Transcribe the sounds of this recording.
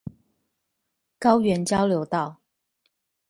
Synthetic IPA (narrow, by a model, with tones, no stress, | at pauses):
kɑ˦ʊɥɛ˨˦nt͡ɕjɑ˦ʊljo˨˦ʊt̪ɑ˥˨ʊ